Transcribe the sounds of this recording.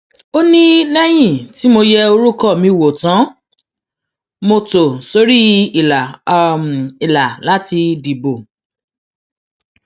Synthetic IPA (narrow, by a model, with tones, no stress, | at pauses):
o˦nĩ˦nɛ̃˦j̃ĩ˦˨ti˨˦mo˧jɛ˧o˧ɾu˦kɔ˦˨mĩ˧˨wo˨tã˨˦ | mo˧to˨so˨˦ɾi˦i˨la˨ | i˨la˨la˦ti˧di˨bo˨